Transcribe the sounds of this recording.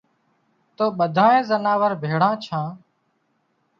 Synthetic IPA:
t̪oːɓəd̪ʱãːẽːzənaːʋəɾbʱeːɽãːt͡ʃʰãː

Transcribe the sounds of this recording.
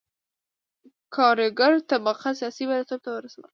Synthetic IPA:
kʰɑɾɪɡaɾt̪abaqasijɑsibad̪at̪ab̚t̪awəɾasawə̰l

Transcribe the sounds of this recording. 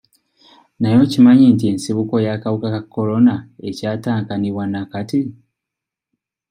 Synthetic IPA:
najo̞cimaɲiːntie̞nsiβuko̞jakaβukakakːo̞lo̞nae̞caːtaːŋkaniβwanakati

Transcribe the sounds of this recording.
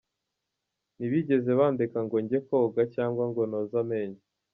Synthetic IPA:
niβiɟe̞ze̞βaːndekaŋɡoɲɟe̞koːɡacaːŋɡwaŋɡonoːzame̞ɲa

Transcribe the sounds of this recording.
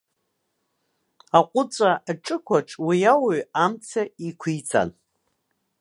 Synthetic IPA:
aqʷʼʊt͡sʷʼaaʈ͡ʂʼɨkʷʰaʈ͡ʂʼwijawaɥamt͡sʰaikʷʰit͡sʰʼa̰n

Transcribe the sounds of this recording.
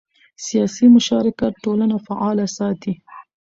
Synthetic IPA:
sijɑsimʊʃɑɾɪkat̪̚ʈolanafaʔɑlasɑt̪i

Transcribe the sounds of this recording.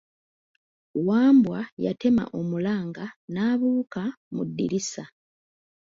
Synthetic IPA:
waːmbwaja̰te̞ma̰ʔo̞mulaːŋɡanaːβuːkamṵdːiɾisa

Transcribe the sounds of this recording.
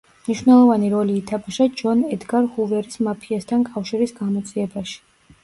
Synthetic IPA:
mniʃwnɛlˠɔvaniɾɔliːt̪ʰabuʃad͡ʒɔnɛd̪ɡaɾhuvɛɾismapʰiast̪ʰankʼafʃiɾisɡamɔt̪sʼiɛbaʃi̥

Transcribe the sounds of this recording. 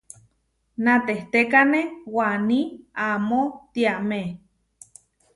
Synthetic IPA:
nat̪eht̪ekanewaniamot̪iaʔme

